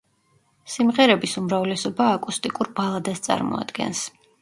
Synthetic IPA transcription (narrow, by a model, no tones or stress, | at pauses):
simʁɛɾɛbisumɾavlɛsɔbaːkʼust̪ʼikʼuɾbalˠad̪ast̪sʼa̰ɾmɔ̰a̰d̪ɡɛ̰ns